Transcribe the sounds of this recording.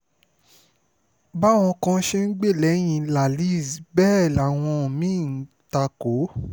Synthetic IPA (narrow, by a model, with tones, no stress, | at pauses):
ba˦˨w̃ɔ̃˧kã˧˦ʃe˦n̩˦ɡ͡be˦˨lɛ˨˦j̃ĩ˧la˨li˦˨zi˨bɛː˦˨la˨w̃ɔ̃˧˨mĩ˦˨n̩˨˦ | ta˧ko˨˦